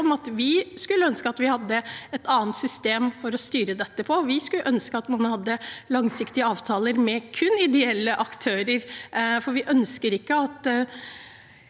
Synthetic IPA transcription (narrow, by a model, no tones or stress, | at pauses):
ɔmɑt̪ʋɪskʉlːəœnskəɑt̪ʋɪhɑd̪ːəɛt̪ɑːənt̪sʏst̪eːmfɔɾɔst̪yːɾəd̪ɛt̪ːəpʰɔʋɪskʉlːəʔœnskəɑt̪mɑnhɑd̪ːəlɑŋsɪkt̪ɪəɑːʋt̪ʰɑːləɾmɛkʰʉnɪd̪ɛɛlːəʔɑkt̪ʰøːɾəɾfɔɾʋɪʔœnskəɾɪkːəɑt̪